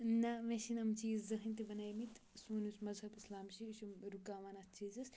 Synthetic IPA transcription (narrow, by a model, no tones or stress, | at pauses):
nɐʋeʃinɐmt͡ʃiːzzɐɦɐnt̪iʋɐnajmit̪ʰ | suːnusmɐzɦɐbislaːmʃiuʃumɾukaːʋɐnɐst͡ʃiːzɐs